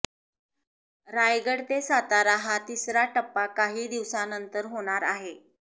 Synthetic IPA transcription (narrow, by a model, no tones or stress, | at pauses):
ɾajɡəɽt̪esat̪aɾaɦat̪isɾaʈəpːakaɦiːd̪iʋsanənt̪əɾɦoɽ̃aɾaɦe